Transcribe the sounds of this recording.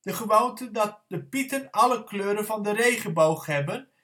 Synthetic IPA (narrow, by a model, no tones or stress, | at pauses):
d̥əχəʋowntəndɑt̚dəpitənɑləkløːɾənvɑndərejχəbowχɦɛbən